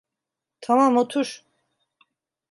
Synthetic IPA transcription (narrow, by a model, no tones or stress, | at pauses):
t̪ʰamamot̪ʰuɾ